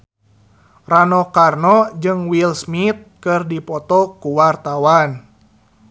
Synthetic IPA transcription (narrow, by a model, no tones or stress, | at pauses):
ranɔkarnɔd͡ʒɨŋwilsmit̪̚kɨrdipɔt̪ɔkuwart̪awan